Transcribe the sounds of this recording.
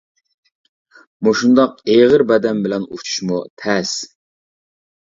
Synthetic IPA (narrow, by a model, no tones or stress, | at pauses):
moʃund̪ɑqeʁəɾbɛd̪ɛmbɪlɛnut͡ʃʰu̥ʃmut̪ʰɛs